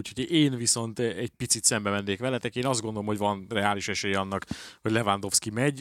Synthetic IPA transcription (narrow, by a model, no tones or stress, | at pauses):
uchoɟeːnviso̞nt̪ɛɟ̥̚pit̪sit̪sɛmbɛmɛnːeːkʋɛlɛt̪ɛkeːnɒzd̪ɡo̞nd̪olomho̞ɟvɒnrɛaːliʃɛʃɛjɛɒnːɒkhoɟʲlɛvand̪o̞fskimɛɟ